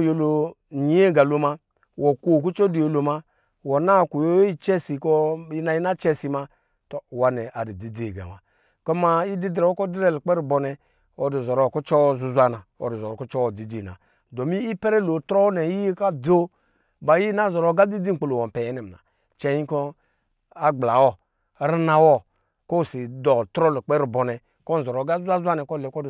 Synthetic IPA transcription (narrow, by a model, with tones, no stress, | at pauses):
jo˨lo˨ɲi˨˦e˦˨ɡa˨lo˦ma˦ | wɔ˨ko˦˨k̬u˦t͡ʃɔ˦di˨jo˨lo˨ma˦ | wɔ˨na˦˨ku˨jo˦i˦t͡ʃɛ˦si˨kɔ˦i˦na˨i˦na˦t͡ʃɛ˦si˨ma˦ | tɔ˨wa˨nɛ˨ʔa˨di˨di˨d͡zi˦e˨ɡa̰˨ma̰˨ | kɔ˦ma˦i˦di˦dɾɛ˨wo˦kɔ˦di˦ɾɛ˦˨lk͡pɛ˦ɾi˨bɔ˨nɛ˨ | ɔ˨di˨zɔ˨ɾɔ˨˦˨kɔ˦t͡ʃɔ˦zu˨zʷa˨na˨ɔ̰˨du˨zɔ˨ɾɔ˨kɔ˦t͡ʃɔ˦wɔ˨di˨d͡zi˦˨na̰˨ | dɔ˨mi˦i˦pɛ˦ɾɛ˦lo˨tɾɔ˦nɛ˨ji˦jka˦bo˦ | ba˨ji˦na˦˨zɔ˨ɾɔ˨˦ɡa˦di˦d͡zi˦˨k͡po˨lo˨wɔ˨pɛ˨jɛ˨˦nɛ˨m˨a̰˨ | t͡ʃɛ˦ji˦kɔ˦ | a˦ɡ͡bla˨wɔ˦ | ɾi˦na˨wɔ˦ | ko˦˨si˨dɔ˨tɾɔ˦lu˨k͡pɛ˦ɾi˨bɔ˨nɛ˨ | kɔ˦n̩˨zɔ˨ɾɔ˨ɡa˦a˦zʷa˦nɛ˨kɔ˦˨lɛ˨kɔ˦˨